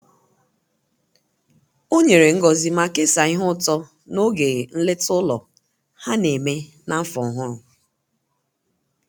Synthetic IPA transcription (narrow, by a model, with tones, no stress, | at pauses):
o˦ɲe˨ɾe˨ŋ̩˦ɡɔ˨zi˨ma˦ke˦sa˨i˦ɦʊ˦tɔ˦ | no˦ɡe˨n̩˦le˦tʊ˦lɔ˨ | ha˦ne˨me˦ | na˦fɔ˨ɦʊ˦ɾʊ˨